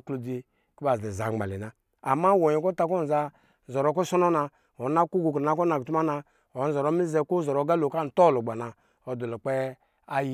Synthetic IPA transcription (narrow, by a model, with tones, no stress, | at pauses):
klo˨di˨ | ki˦ba˨zɛ˨za˨ŋ͡mɡ͡ba̰˨lḭ˨na˨ | a˨ma˦wo˨ɲi˨kɔ˦ta˦kɔ˦˨n̩˨za˧˨ | zɔ˨ɾɔ˦k̬ɔ˦sɔ˦nɔ˦na˧ | o˨˦na˦ku˦ɡu˨kna˦k̬ɔ˦na˨tu˦ma˦na˧ | o˨˦n̩˦zɔ˨ɾɔ˦mi˦zɛ˦ko˦zɔ˨ɾɔ˨˦ɡa˦lo˨ka˦n̩˨tɔ˦˨lo˨ɡ͡ba˨na˨ | ɔ˨dɔ˨lo˨k͡pɛ˦ | a˦j